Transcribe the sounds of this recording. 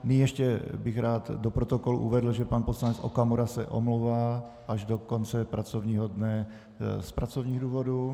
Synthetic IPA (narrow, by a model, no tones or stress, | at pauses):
nɪɲjɛʃcɛbɪɣɾaːd̪dopɾot̪okolṵʔuvɛd̪l̩ʒɛpanposlanɛt͡sʔo̰kamuɾasɛ̰ʔo̰mlowvaː | ʔaʒdokont͡sɛpɾat͡sovɲiːɦodnɛ | spɾat͡sovɲiːɣduːvodu